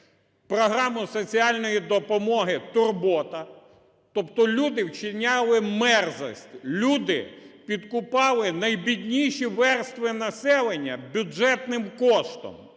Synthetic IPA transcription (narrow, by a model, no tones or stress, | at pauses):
pɾɔɦɾɑmʊsɔt͡sʲiɑlʲnɔjid̪ɔpɔmɔɦɪt̪ʊrbɔt̪ɐ | t̪ɔpt̪ɔlʲud̪ɪwt͡ʃɪnʲalˠɪmɛrzɔ̰sʲtʲlʲud̪ɪ̰pʲid̪kʊpɑlˠɪnɐjbʲid̪ʲnʲijʃiʋɛrst̪ʋɪnɐsɛlˠenʲːɐbʲʊɛt̪nɪmkɔʃt̪ɔ̰m